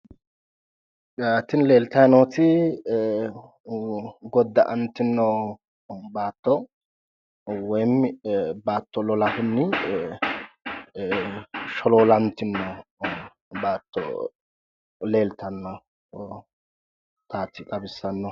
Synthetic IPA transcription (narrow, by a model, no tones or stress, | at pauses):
aːt̪ːɪnle̞ːlt̪ɐjnoːt̪ɪ | ɡɔd̪ːɐʔɐnt̪ːɪnːɔ | baːt̪ːɔ | wɔjmbaːt̪ːɔlɔlɐhʊnːɪ | ʃɔloːlɐnt̪ːɪnːɔ | baːt̪ːɔ̰ | le̞ːlt̪ɐnːɐ | t̪aːt̪ɪk̪ʼɐbɪsːɐnːɔ